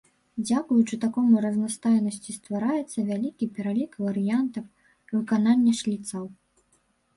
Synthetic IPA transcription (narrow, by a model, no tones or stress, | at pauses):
d͡zʲakujut͡ʂɨt̪akɔmuɾɐznast̪ajnɐsʲt͡sʲist̪vaɾajɛt̪sːɐvʲalʲikʲipʲɛɾalʲikvɐɾɨjant̪ɐf | vɨkananʲːɛʂlʲit̪sɐw